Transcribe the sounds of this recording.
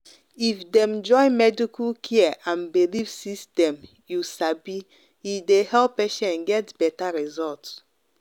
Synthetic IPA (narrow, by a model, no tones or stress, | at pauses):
ifdɛ̃md͡ʒɔ̃ɪ̃nmɛdikʰulkʰiɛãnbilivsistɛ̃m | jusabi | idehɛlpːeʃɛ̃nɡɛtb̥ɛtaɹizɔlts